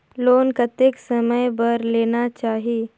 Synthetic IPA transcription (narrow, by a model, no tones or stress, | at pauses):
loːnkət̪eksəməjbəɾleːnat͡ʃaːɦi